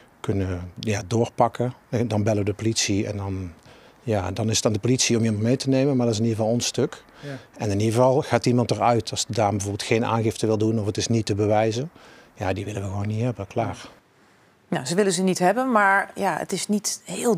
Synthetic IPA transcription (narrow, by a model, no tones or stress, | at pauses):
kɵnəjaːdʊːɹpɑkədɑnbɛləʋədəpolitsiɛ̰ndɑn | jaːdɑnɪsətaːndəpolitsiɔmimɑntmejtənejmənmaːɹdɑtɪs̬ɪniəvɑlˠɔnstɵk | ɛnɪniəvɑlˠɣaːtimɑntərœɥtɑsədaːmbəvoːbɪlˠtxejna̰ːnɣɪftəʋɪlˠdunɔfətɪsnitəbəʋɛjzənjaːdiʋɪləʋəɣəʋownːitɦɛbəklaːɹ | nazəʋɪləzənitɦɛbənmaːɹjaə̰tɪsnithɪːlˠ